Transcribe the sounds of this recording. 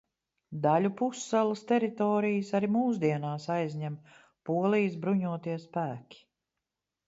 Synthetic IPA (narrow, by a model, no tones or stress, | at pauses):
d̪alʲupusːalˠɨst̪ɛɾit̪ɔːɾijəsaɾimuːs̬d̪iɛnaːsajzɲæm | puɔlˠijs̬bɾuɲuɔt̪iɛspæːkʲi̥